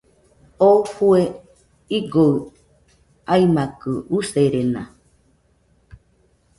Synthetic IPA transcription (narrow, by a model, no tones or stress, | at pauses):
ofue | iɡoɯ | aimakɯuseɾena̰